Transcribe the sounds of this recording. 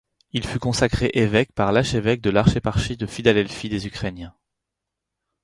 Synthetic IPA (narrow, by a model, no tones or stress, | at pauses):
ilfykɔ̃sakχeʔevɛkpaʁlaʃevɛk̚d̪əlaʁʃepaʁʃid̪əfid̪ad̪ɛlfid̪ezykχenjɛ̃